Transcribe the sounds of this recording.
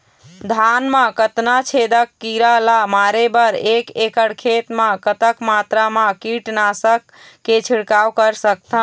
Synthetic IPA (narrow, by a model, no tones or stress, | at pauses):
d̪ʱanmãkət̪nat͡ʃʰed̪əkːiɾalamaɾebəɾekekəɽkʰet̪mãkət̪əkmat̪ɾamãkiʈnasəkː | et͡ʃʰiɽkawkəɾsək̚t̪ʰə̃